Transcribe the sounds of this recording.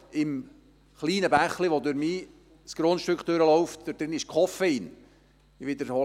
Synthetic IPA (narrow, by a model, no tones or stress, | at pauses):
ɪm | χliːnəbæχliʋod̪ʉɾmiː | skɾonʃtøkχd̥̪øɾəlɔwft̚d̥əd̥ɾɪnɪʃkʰχɔfəin | ʋɪd̪əɾhɔ